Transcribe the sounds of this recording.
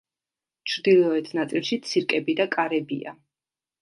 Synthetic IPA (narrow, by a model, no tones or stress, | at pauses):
t͡ʃʰɾd̪ilˠɔɛt̪ʰnat̪sʼilˠʃit̪sʰiɾkʼɛbid̪akʼaɾɛbḭa̰